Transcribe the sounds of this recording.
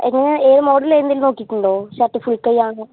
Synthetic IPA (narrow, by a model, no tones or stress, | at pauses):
eŋːɐneeːɾɨmoːɽɐleːnd̪ilno̞ːkːikʲːuɳɖo̞ːɕaʈːifuɭkɐjaːɳɨ